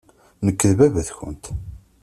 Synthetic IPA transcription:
nəkːəðvævəθçə̰nt̪

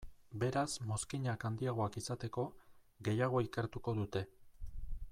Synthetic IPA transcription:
be̞ɾazmo̞skiɲakand̪iaɣ̞o̞akisat̪e̞ko̞ | ɣe̞jaɣ̞o̞ikeɾt̪uko̞ðut̪e̞

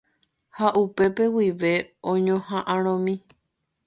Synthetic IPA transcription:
haʔupe̞pe̞wiʋe̞õɲõhãʔãɾ̃õmĩ

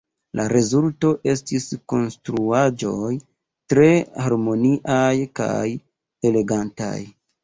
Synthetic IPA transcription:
laɾe̞zulto̞ʔe̞stisko̞nstɾuad͡ʒo̞j | tɾe̞haɾmo̞niʔajka̰j | e̞le̞ɡanta̰j

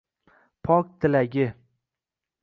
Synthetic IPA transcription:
pʰɒk̚ʲt̪ʰɪlaɡʲɪ

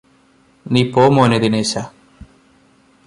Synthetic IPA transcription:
nipoːmoːned̪inesa

